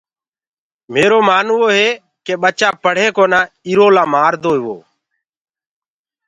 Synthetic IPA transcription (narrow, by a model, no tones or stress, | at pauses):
meːɾoːmaːnʋoːɦeː | keːɓət͡ʃaːpəɽ̤eːkoːnãː | iɾoːlaːmaːɾd̪oːiʋo̰ː